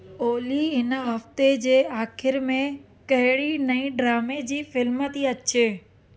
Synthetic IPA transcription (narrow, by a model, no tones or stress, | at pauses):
oːliɪnə̆ɦɐft̪ed͡ʑeːaːxɪɾmẽ | kɐɦɪɽinɐĩɖɾaːmed͡ʑiːfɪlmət̪iɐt͡ɕʰe